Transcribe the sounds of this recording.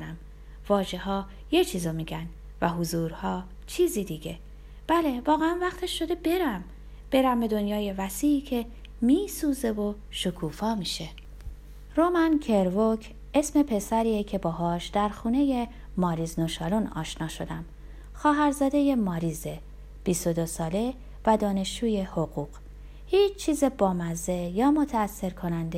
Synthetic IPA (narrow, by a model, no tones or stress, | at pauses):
næm | vɒːʒeɦɒː | jet͡ʃʰiːzomiːɟæn | væɦuzuːɾhɒː | t͡ʃʰiːzid̪iːɟe̞ | b̥æle̞vɒːɣeænvæxt̪ʰeʃːo̞d̪e̞be̞ɾæm | b̥e̞ɾæmbe̞d̪o̞njɒːje̞væsiːcʰe̞ | miːsuːze̞vo̞ | ʃokʰuːfɒːmiːʃe̞ | ɾomæncʰe̞ɾvocʰ | e̞sme̞pʰe̞sæɾiːecʰe̞bɒːɦɒːʃd̪̥æɾxuːne̞je | mɒːɾizno̞ʃɒːlonɒ̰ːʃnɒːʃo̞d̪æm | xɒːɦæɾzɒːd̪e̞jemɒːɾiːze | b̥ist̪o̞d̪o̞sɒːle̞ | væd̪ɒːne̞ʃt͡ʃuːje̞hoɣuːq | hiːt͡ʃʰt͡ʃʰːiːzebɒːmæzejɒːmo̞t̪ʰæːsːe̞ɾkʰo̞nænd̪e